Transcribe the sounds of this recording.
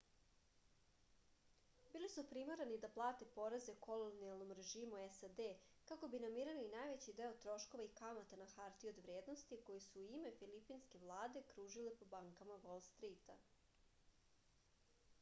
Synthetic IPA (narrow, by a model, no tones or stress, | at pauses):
bilisupɾimaɾanid̪aplˠaːt̪e̞po̞ɾezekʰo̞lˠonijalˠno̞mɾe̞ʒiːmuesad̪e | kako̞binamiɾalinajʋet͡ɕid̪e̞ot̪ɾo̞ʃko̞ʋaikamat̪anaxaɾt̪iod̪ʋɾje̞ːd̪nost̪iko̞jisuːime̞filipinske̞ʋlˠaːd̪e̞kɾuːʒilepo̞baŋkamaʋolˠst̪ɾit̪a̰